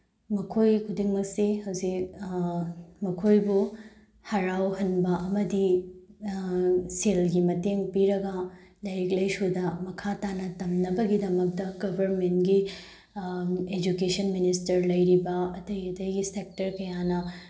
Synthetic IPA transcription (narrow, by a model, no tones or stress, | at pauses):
mɐkʰojkʰudiŋmɐk̚sihɐwzik̚ | mɐkʰojbu | hɐɾawɦɐnbɐʔɐmɐdi | selɡimɐteŋpiɾɐɡɐlɐjɾiklɐjsudɐmɐkʰatanɐtɐmnɐbɐɡidɐmɐk̚dɐɡɐbʱɐɾmentɡi | ed͡ʒukesɐnministɐɾlɐjɾibɐɐtɐjɐtɐjɡisek̚tɐɾkɐjanɐ